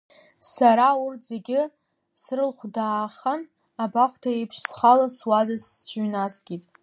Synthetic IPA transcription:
saɾaurtʰz̥e̞ɡʲɪ | srɨlχʷdaːχan | abaχʷʰtʰaepʰʂsχalaswadast͡ʃʷʰɥnasɡʲitʼ

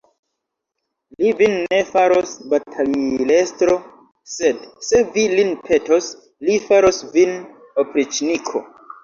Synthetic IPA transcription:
livinːe̞faɾosbatʰalilestɾo̞ | se̞dse̞vilinpʰe̞tos | lifaɾosvin | opɾit͡ʃnikʰo̰

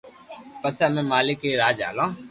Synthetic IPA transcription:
pəseɐmẽmaːlɪkːeɾaːd͡ʒa̰ːlãː

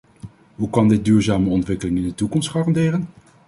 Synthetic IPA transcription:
ɦukɑndɪt̚dyːɹzaːməɔntʋɪkəlɪŋɪndətukɔmstχɑːrɑndɪːrən

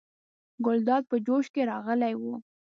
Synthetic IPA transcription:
ɡʊld̪ɑd̪̚pəd͡ʒoʃkeɾɑɣəlajwu

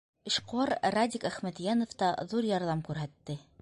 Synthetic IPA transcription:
ɘ̆ʃquɑɾrad̪ʲikæχmæt̪jænŏft̪ɑðuɾjɑɾðɑmkʉɾɦæt̪ːɘ

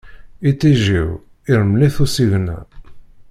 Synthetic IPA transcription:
it͡sːiʒḭw | iɾəmliθusiʝnæ̰

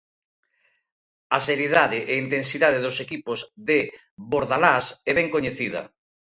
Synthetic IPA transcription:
aseɾjeðaðɪʔeint̪ensiðaðeðosekipozðe | βoɾðalasɛβɛŋkoɲeθiðɐ̰

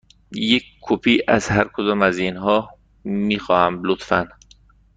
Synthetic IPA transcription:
jekkʰːopʰiːʔæzɦæɾkʰod̪ɒːmæzinɦɒː | miːxɒːhæmlot̪fæn

